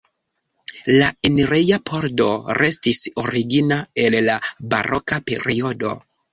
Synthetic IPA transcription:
laeneɾejapʰo̞ɾdo̞ɾe̞stisoɾiɡinae̞llaba̰ɾʔo̞kape̞̰ɾio̞do̞̰

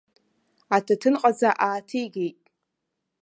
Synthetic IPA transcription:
atʰatʰɨnqʼazaʔaːtʰijɡʲejtʼ

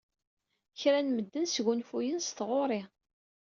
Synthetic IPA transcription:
çɾænməd̪ːənsʝunfujənst̪ʁoɾˤi

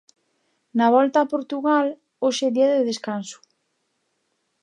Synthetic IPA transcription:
naβ̞ɔlt̪aːpoɾt̪uɣal | oʃeðiaðɪðeskansʊ̥

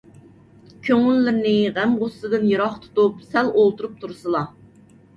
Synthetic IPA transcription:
kʲʰøŋylːɪɾnɪʁæmʁosːɨd̪ɨnjeɾɑχt̪ʰu̥t̪upsælolˠt̪uɾup̚t̪ʰuɾsɨlˠɑ

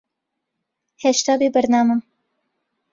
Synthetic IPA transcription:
heʃt̪aːbeːbɐɾnaːmɨm

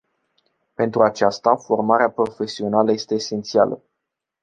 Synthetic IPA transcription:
pe̞nt̪ɾuat͡ʃast̪afo̞rmaɾeapɾo̞fe̞sio̞naləje̞st̪e̞ːse̞nt̪sialə̰

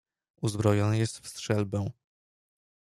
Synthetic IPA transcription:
uzbɾɔjɔnɘjɛst̪fst̪ʂɛlbɛw̃

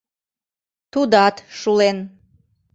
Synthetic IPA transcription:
t̪ud̪ɑt̪ʃulen

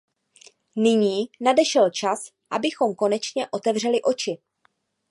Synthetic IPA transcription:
nɪɲiːnadɛʃɛlt͡ʃas | ʔa̰bɪxo̞mko̞nɛt͡ʃɲɛʔo̞t̪ɛvr̝ɛlɪʔo̞t͡ʃɪ

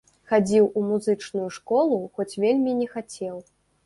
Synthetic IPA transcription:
xad͡zʲiwʔumuzɨt͡ʂnujuʂkɔlˠuxɔt͡sʲvʲelʲmʲinʲɛxat͡sʲɛw

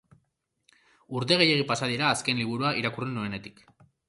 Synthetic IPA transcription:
uɾt̪̬e̞ɣ̞eje̞ɣ̞ipasað̞iɾaːske̞nliβ̞uɾuaʔiɾakurend̪ue̞ne̞t̪i̥k

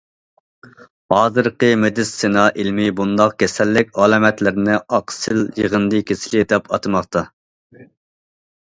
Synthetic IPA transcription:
hɑːzɨɾqəmed̪ɪsenɑʔilmɪbund̪ɑqkʲʰɛsɛlːɪkʲɑlˠɑːmɛt̪lɪɾnɪɑqsɨljəʁənd̪ɨkʲʰesɪlɪd̪ɛpɑ̰t̪ʰɨmɑqt̪ʰɑ

